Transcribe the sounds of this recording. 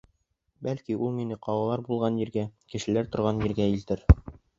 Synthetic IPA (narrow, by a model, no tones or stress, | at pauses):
bælkiulˠminɘqɑwɑlˠɑɾbulˠʁɑnjĭɾɡækɘ̆ʃɘ̆læɾt̪ŏɾʁɑnjĭɾɡæilt̪ɘɾ